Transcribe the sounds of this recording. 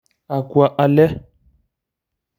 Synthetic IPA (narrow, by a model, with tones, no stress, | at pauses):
a˨kwa˨ʔa˨lɛ˦